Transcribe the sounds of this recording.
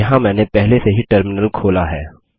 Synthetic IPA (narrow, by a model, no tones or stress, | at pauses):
ɐɦãmɛ̃ːnepɛɦleseɦiʈəɾmɪnəlkʰoːlaɦɛː